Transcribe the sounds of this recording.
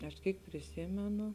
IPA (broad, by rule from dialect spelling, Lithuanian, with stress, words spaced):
ɐʃ ˈkʲiːk pʲrʲɪˈsʲiːmʲɛnʊ